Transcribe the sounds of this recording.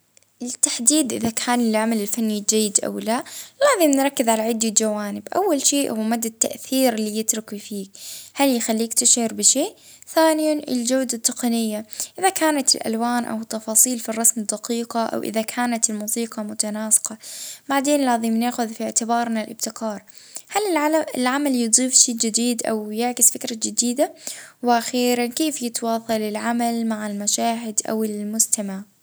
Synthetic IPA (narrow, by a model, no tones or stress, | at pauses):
ɪt̪ːaħd̪iːd̪ʔɪ̰ðakʰaːnɪlʕamalɪlfanːid͡ʒajːɪd̪ʔa̰wlaʔlaːðɪmnɾˤɑkːɪzʕalaʕɪd̪ːild͡ʒawaːnɪbʔa̰wːalʃeːʔhʊwmad̪ːat̪ːa̰ʔθiːɾɪlːijɪt̪ɾʊkifiːkhaljxalːiːkt̪ɪʃʕɑɾbɪʃeːʔ | θaːnɪjanʔɪ̰ld͡ʒawd̪at̪ˤːɨqɑnɪjːaʔʔɪðakaːnat̪ɪlʔa̰lwaːnʔa̰wɪt̪ːɑfɑːsˤiːlfirˤːɑsmɪd̪ːɑqiːqɑʔa̰wʔɪ̰ðakʰaːnat̪ɪlmuːsiːqɑmʊt̪anaːsɪ̥qɑbaʕd̪eːnlaːðimnaːxʊðfiʕt̪ɪbɑːɾˤnalʔɪb̚t̪ɪqɑːɾˤ | halɪɪlʕamaljɨd̪ˤiːfʃiːd͡ʒɪd̪iːd̪ʔa̰wjɪʕkɪsfɪkɾad͡ʒɪd̪iːd̪awɪʔaxiːɾankeːfjɪt̪wɑːsˤɑlɪlʕamalmaʕɪlmaʃaːɦɪd̪ʔa̰wɪlmʊst̪amaʕ